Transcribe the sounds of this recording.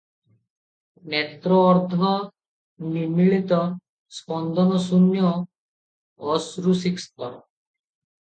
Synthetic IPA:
met̪ɾɔːɾd̪ʱɔ | nimiɭit̪ɔ | spɔnd̪ɔnɔsunjɔ | sɾusikst̪ɔɾɔ

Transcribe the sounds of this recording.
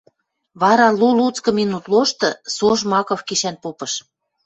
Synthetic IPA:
βɑɾɑlulut͡skɤ̆minut̪loʃt̪ɤ̆soʃmɑkofkiʃænpopɤ̆ʃ

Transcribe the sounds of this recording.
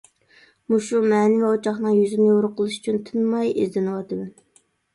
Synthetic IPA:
muʃumɛnɪvɛot͡ʃʰɑχnɨŋjyzɪnɨjoɾʊqʰəlˠɨʃy̥t͡ʃʰynt̪ʰɪnmɑjɪ̰zd̪ɪnɨwɑt̪ɨd̪ɛn

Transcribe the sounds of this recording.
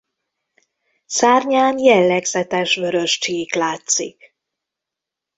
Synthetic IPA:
saːrɲaːnjɛlːɛɡzɛt̪ɛʃvøɾø̞ʃt͡ʃiːklaːt̪sḭk

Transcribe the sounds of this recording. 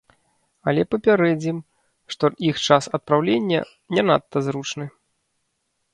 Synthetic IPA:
ɐlʲɛpɐpʲaɾɛd͡zʲim | ʂt̪ɔixt͡ʂasɐt̪̚pɾawlʲenʲːɐ̰ | nʲɛnat̪ːɐzɾut͡ʂnɨ

